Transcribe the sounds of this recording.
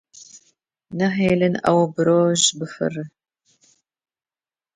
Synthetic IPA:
nɐħeːlɨnɐ̰wbɨɾoːʒbɨfɨ̰rɨ

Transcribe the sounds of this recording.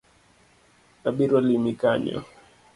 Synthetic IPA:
aɓiɾalimikaɲɔ̰

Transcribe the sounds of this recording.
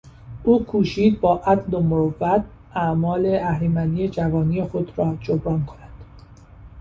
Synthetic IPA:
ʔuːkʰuːʃiːd̪̚bɒːʔæd̪lomovæt̪̚ | ʔæʔmɒːle̞ʔæhlimænd̪iːjed͡ʒævɒːniːje̞xo̞d̪ɾɒːd͡ʒobɾɒːnkʰonæd̪̥

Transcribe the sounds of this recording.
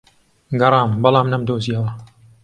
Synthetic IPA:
ɡɐrˤɑːmbɑlˠɑːmnɐmd̪oːziɐwɐ

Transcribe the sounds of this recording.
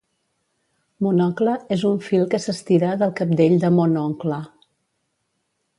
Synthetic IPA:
munɔkləezuɱfilˠkəsəst̪iɾaðəlˠkap̚d̪eʎd̪əmonɔŋklə

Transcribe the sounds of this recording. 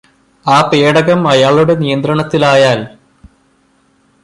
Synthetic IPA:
aːpeːɽɐɣɐmɐjaːɭuɽe̞nijɐnd̪ɾɐɳɐt̪ːilaːjaːl

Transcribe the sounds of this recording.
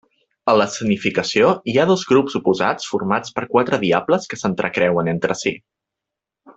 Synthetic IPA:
ələsənifikəsioiaðɔzɣɾupzupuza̰t͡sfurmat͡spəɾkwat̪ɾəðiabləskəsənt̪ɾʔəkɾɛwənent̪ɾəsi

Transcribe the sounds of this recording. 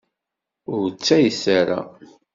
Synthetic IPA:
ʊɾt͡sːæjəsaɾa̰

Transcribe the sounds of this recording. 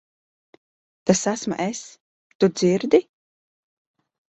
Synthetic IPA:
t̪asasmṵʔes | t̪ud̪z̥iɾd̪i

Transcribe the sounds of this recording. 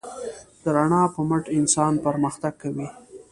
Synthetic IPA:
d̪̥əɾaɳɑpəməʈɪnsɑnpəɾməxt̪aɡ̚kːawi

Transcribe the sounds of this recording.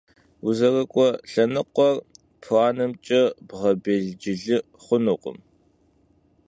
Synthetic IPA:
uzɐrɐkʷʼɔɬɐnɨqʷɔr | pʰaːnɨmt͡ʃʼɐbʁɐbeːɮd͡ʒɪɮɨ | χʷʊnuːqʷʼʊ̰m

